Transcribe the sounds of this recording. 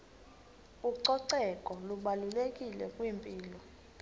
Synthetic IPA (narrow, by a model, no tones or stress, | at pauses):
uǀɔǀɛkʼɔluɓalulekʼilɛkʼwimpʼiːlɔ